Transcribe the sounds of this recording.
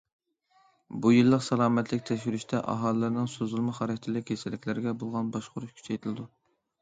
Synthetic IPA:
bujɨlˠːəqsɑlˠɑːmɛt̪ʰlɪkʲt̪ʰɛʃ̬yɾyʃt̪ʰɛʔɑ̰ɦɑːlˠɨlɨɾnɨŋsozulˠmɨχɑɾɨt̪ʰɪlɪkʲʰesɪlːɪkʲlɪɾɪɡʲɛbolˠʁɑnbɑʃqʊɾuʃkʲʰy̥t͡ʃʰɛjt̪ʰɨlɨd̪u

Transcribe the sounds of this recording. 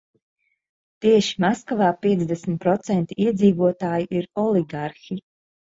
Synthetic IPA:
t̪iɛʃi̥maskavaːpiɛzd̪ɛsmʲt̪̚pɾɔt̪sɛnt̪iiɛd̪ziːvuɔt̪aːjiʔiɾɔliɡaɾxʲi

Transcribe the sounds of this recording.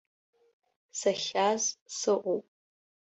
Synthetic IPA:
saχʲazsɨʔʷʼowpʼ

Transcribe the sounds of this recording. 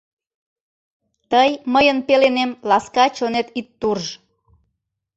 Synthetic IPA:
t̪əjməjənpelenemlɑskɑt͡ɕonet̪it̪ːurʒ

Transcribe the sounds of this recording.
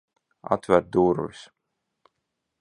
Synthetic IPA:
a̰t̪væɾt̪̚d̪uːɾvis

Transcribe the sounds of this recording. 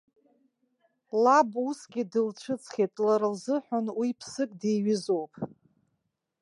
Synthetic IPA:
labusɡʲidɨlt͡ʃʷʰɨt͡sʰχʲetʼlaɾɨlzɨħʷʊnwipʰsɨkʼdejɥɪzowpʼ

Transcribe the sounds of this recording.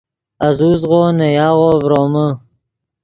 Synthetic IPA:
ɐzuːzɣoːnejɑːɣoːvɾoːmə

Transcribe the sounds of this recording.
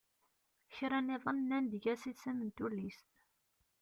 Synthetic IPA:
çɾæneðˤənnːænd̪əʝæsisæmənt̪ulːist̪

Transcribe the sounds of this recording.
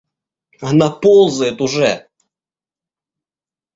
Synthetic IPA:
ɐnapolˠzəjɪt̪ʊʐɛ

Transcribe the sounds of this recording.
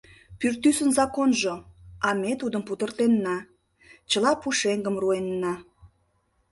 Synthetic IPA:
pyrt̪ysənzɑkonʒoɑmet̪ud̪əmput̪ərt̪enːɑ | t͡ɕəlɑpuʃeŋɡəmruenːɑ

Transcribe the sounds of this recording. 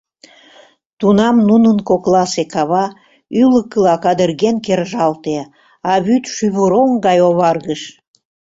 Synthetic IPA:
t̪unɑmnunənkoklɑsekɑβɑ | yləkːəlɑkɑd̪ərɣenkerʒɑlt̪e | ɑβyt̪ʃyβəɾoŋɡɑjoβɑrɣəʃ

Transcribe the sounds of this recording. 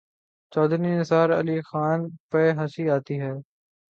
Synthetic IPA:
t͡ʃɔːd̪ɾniːnɪsaːɾə̰liːxaːnpeːɦəsiːaːt̪iːɦɛː

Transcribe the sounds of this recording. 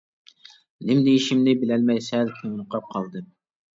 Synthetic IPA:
lɪmd̪ejiʃimnɪbɪlɛlmɛjsɛlkʲʰøŋnqɑp̚qʰɑlˠd̪ɨ

